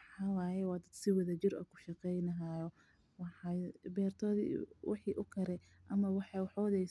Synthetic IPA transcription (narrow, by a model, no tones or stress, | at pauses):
ħɑwɑːjɛwɑːd̪ɐd̪sɪwɐðɐt͡ʃɪrɔ̰kʰʊ̥ʃɑqɛjnɐɦaːjɔ | wɑħɑbɛːrt̪ʰɔːðḭwɑ̰ħiːʔʊkʰɐɾɛ | ʔɐmɐwɑħɑwɑħɔðɛj